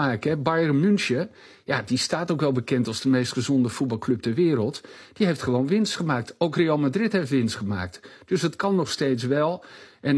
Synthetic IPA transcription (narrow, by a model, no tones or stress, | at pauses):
aːkɛbɑjrəmynʃə | jadistaːtowkʋɛlˠbəkɛntɑlˠzdəmejstχəzɔndəfut̚bɑlˠklɵp̚tɛɹʋɪːɾəlˠtd̥iɦejftχəʋoːnʋɪnstχəmaːk̚towkrejɑlˠmadrɪtɦejftʋɪnstχəma̰ːk̚td̥ɵsɦətkɑnːɔχsteːjtsʋɛlˠʔɛn